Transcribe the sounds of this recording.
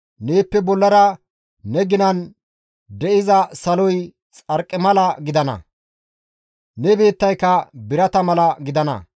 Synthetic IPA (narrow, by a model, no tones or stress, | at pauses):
neːpːɛbɔlːɐɾɐ | nɛɡɪnɐn | d̪ɛʔɪzɐsɐlɔj | t͡sʼɐɾkʼːɪmɐlɐɡɪd̪ɐnɐ̰ | nɛbe̞ːt̪ːɐjkːɐbɪɾɐt̪ɐmɐlɐɡɪd̪ɐnɐ̰